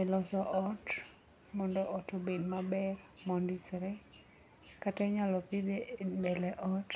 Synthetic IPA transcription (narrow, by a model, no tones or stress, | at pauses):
ɛlɔsɔʔɔt | mɔndɔʔɔtobedmabɛr | mɔndisɾɛ | katɛɲalɔpid̪ebɛlɛʔɔt